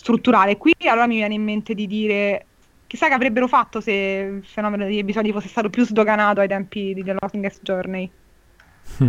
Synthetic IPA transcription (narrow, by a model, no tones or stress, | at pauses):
st̪ɾut̪ːuɾaːlekwialoːɾamivjɛːneimːent̪ed̪id̪iːɾe | k̟isːakːeavɾebːeɾofat̪ːoseilfenɔːmenod̪eʎːepizɔːd̪ifosːest̪aːt̪opjuzd̪oɡanaːt̪oajt̪ɛmpid̪id̪elɔkŋɡɛsd͡ʒɔrnaj